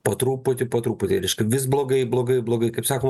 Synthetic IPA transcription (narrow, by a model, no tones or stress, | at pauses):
pɐt̪ɾuːpot̪ʲɪpɐt̪ɾuːpot̪ʲɪɾʲɛɪʃkɐɪʋʲɪsblˠoːɡɐɪblˠoːɡɐɪblˠoːɡɐɪkɐɪpsɑːkoːm